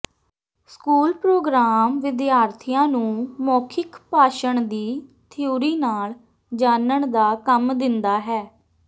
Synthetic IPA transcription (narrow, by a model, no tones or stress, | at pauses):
skuːlpɾoːɡɾaːmʋɪd̪jaːɾt̪ʰijãːnũːmoːkʰɪkpaːʃəɳd̪iːt̪ʰɪjuːɾiːnaːl | d͡ʒaːnəɳd̪aːkəmd̪ɪnd̪aːɦɛː